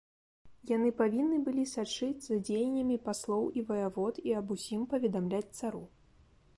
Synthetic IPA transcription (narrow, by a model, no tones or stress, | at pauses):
janɨpavʲinːɨbɨlʲisat͡ʂɨd͡zʲzad͡zʲejɛnʲɐmʲipaslˠɔwivɐjavɔt̪iɐbusʲimpɐvʲɛd̪amlʲat͡sʲt̪saɾu